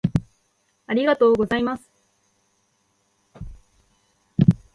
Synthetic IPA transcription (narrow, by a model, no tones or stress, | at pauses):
aɾʲiɡat̪o̞ːɡo̞zaimasɨ̥